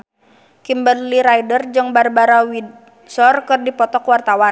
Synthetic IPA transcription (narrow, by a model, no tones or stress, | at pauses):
kimbərliɾajdərd͡ʒəŋbarbaɾawid | sɔrkɨrdipɔt̪ɔkwart̪awa